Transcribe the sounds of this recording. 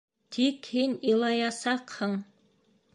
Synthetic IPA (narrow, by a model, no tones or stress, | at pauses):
t̪ʰikhinilˠɑjɑsɑqhɤɴ